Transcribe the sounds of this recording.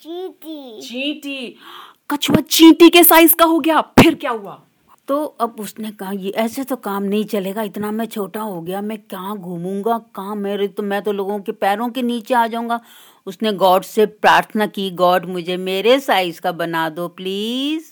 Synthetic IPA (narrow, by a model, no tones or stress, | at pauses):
t͡ʃʰiːkit͡ʃĩːʈi | kɐt͡ʃʰʋat͡ʃĩːʈikesaːɪzkaɦoɡjapʰɪɾkjaːɦʊaː | t̪oːɐbʊsnekɐɦajeʔɛːset̪okaːmnɐɦĩt͡ʃɐleːɡaɪt̪namɛ̃t͡ʃʰoːʈaɦoɡɐjamɛ̃kjaːɡʱũːmũːŋɡakaãmeːɾet̪omɛ̃ːt̪oloːɡõkepɛːɾõkeniːt͡ʃeaːd͡ʒaːũːŋɡaː | ʊsneɡɔːɖsepɾaːɾt̪ʰənakiɡɔːɖmʊd͡ʒʱemeːɾesaːɪzkabɐnaːd̪opliːz